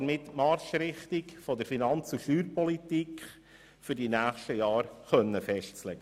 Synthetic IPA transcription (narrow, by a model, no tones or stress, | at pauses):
mɪt̪mɑɾʃɾɪχt̪ikfɔdəɾfinɑnt͡suʃyːɾpɔlit̪ikχ | fʏɾdinæːχʃtəjɑːɾχœnːəfɛʃtt͡slɛɡ̥ə